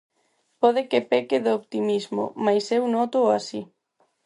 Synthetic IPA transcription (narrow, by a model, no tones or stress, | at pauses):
pɔð̞ekepekeðoopt̪imizmo̰majsewnɔt̪oasi